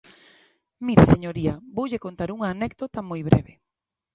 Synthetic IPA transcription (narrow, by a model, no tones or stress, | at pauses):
miɾeseɲoɾiɐbowʎekont̪aɾuŋɐːnɛkd̪ot̪ɐmojβɾɛ̰βe